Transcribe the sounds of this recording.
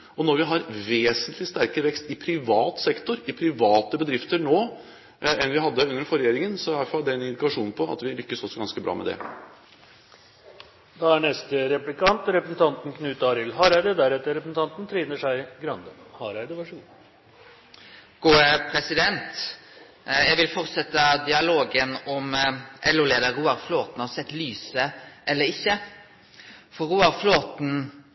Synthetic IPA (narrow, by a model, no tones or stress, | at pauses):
ɔnɔɾʋɪɦɑɾʋeːsənt̪lɪst̪æɾkəɾəʋɛkst̪ɪpʰɾɪʋɑːt̪sɛkt̪ʊɾɪpʰɾɪʋɑːt̪əbəd̪ɾɪft̪əɾnoː | ɛnʋɪɦɑd̪ːəʉnːəɾfɔɾɛjeːɾɪŋənsɔʋæɾfɑld̪ɛɛnɪnd̪ɪkɑʂuːnn̩pʰɔɑ̰t̪ʋɪlʏkːəsɔsɔɡɑnskəbɾɑ̰ːmʔɛ̰d̪ɛ̰ | d̪ɑæɳɛst̪əɾɛplɪkʰɑnt̪ɾɛpɾəsn̩t̪ʰɑnt̪n̩kʰnʉːt̪ɑɾɪlɦɑːɾæɪd̪əd̪æɾɛt̪ːəɾɛpɾəsn̩t̪ʰɑnt̪n̩t̪ʰɾiːnəʂæɪɡɾɑnd̪əhɑːɾæɪd̪əʋæʂuːn | ɡ̥uːəpʰɾɛsɪd̪ɛnt̪ | jæɪʋɪlfɔʁt̪sɛt̪ːəd̪ɪɑloːɡənɔmʔɛlʉleːd̪əɾuːɑʁfloːt̪n̩hɑsɛt̪ːlyːsəʔɛlːəɾɪçːə | fɔɾuːɑɾfloːt̪n̩